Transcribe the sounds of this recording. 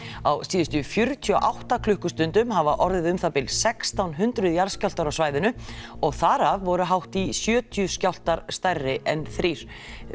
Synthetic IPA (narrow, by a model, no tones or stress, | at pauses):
a̰wsiːðʏst̪ʏfjʏɾt̪ʰiɔʔawht̪akʰlʏhkʏst̪ʏnt̪ʏmɦavaʔɔɾðɪðʏmθapɪlsɛkst̪awnɦʏnt̪ɾʏðjaɾ̥skcjawl̥t̪aɾawsvaːjðɪnʏɔɣθaɾavːɔɾʏɦawht̪isjœːt̪ʰijʏscawl̥t̪aɾ̥st̪ajrːɪʔɛnθɾiːɾ̥